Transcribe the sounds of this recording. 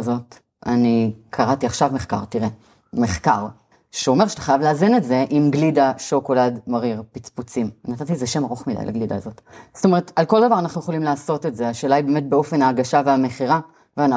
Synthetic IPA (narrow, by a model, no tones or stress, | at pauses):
zo̞t | anikʰaʁatiaχʃavme̞χka̰ʁtiʁe | meχkaʁ | ʃeo̞meʃeat̪ḁχajavleazinetze̞ʔimɡlidaʃo̞ko̞ladmaʁiʁpit͡sput͡simnatatiezeʃe̞maʁo̞χmida̰jla̰ɡlid̪a̰zo̞tst̪o̞me̞ʁetalkoldavaʁanaχnujeolimlaːso̞te̞tze̞aʃelajbeme̞t̚be̞o̞fe̞naːɡaʃaveame̞χiʁa | veana